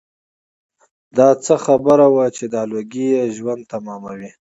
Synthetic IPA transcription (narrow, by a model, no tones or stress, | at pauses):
d̪ɑt͡səxabəɾawat͡ʃed̪ɑloɡijeʒwand̪̚t̪amɑmawi